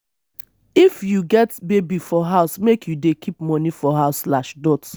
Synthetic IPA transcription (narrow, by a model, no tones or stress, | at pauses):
ifjuɡɛtbebifɔɦaʊsmekʰjudekʰipmɔnifɔɦaʊsːlaʃdɔt